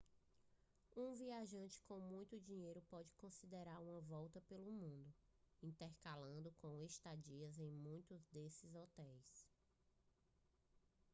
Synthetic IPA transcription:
ũviaʒɐ̃nt͡ʃɪ̥kõw̃mũj̃t̪ʊd͡ʒĩɲejɾʊpɔd͡ʒɪkõsid̪eɾaɾũmɐvɔwt̪ɐpelʊmũnd̪ʊĩt̪ɛɾkalɐ̃nd̪ʊkõw̃est̪ad͡ʒiɐzẽj̃mũj̃t̪ʊzd̪esɪzɔt̪ɛjs

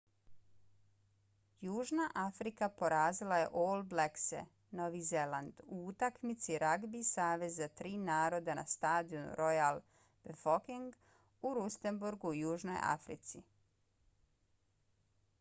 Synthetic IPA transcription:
juːʒnaʔafɾikapo̞ɾaːzilaje̞̰ʔolˠbleksḛ | no̞ʋize̞land̪uːt̪akmit̪siɾaɡbisaːʋe̞zːat̪ɾiːnaːɾo̞d̪ana̰st̪aːd̪ionṵɾo̞jalˠ | b̥efokiŋɡ | uɾust̪embuɾɡujuːʒno̞̰ja̰fɾḭt̪si

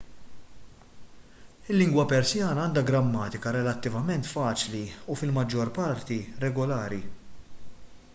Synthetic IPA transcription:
ɪlːɪŋɡwɐpɛɾsjɐːnɐɐːnd̪ɐɡɾɐmːɐːt̪ɪkɐɾɛlɐt̪ːɪvɐmɛnt̪fɐːt͡ʃliufɪlmɐd͡ʒːɔɾpɐɾt̪iɾɛɡɔlɐːɾi

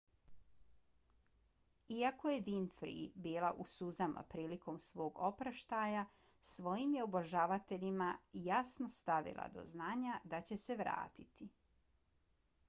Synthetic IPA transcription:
iako̞je̞d̪infɾḭbiːlˠaʔusuzama̰pɾiːliko̞msʋo̞ːɡo̞pɾaʃt̪aja | sʋo̞jimje̞oboʒaʋat̪e̞ʎimajasno̞st̪aʋḭlˠa̰d̪o̞̰znaːɲad̪at͡ɕe̞se̞ʋɾa̰ːt̪it̪i

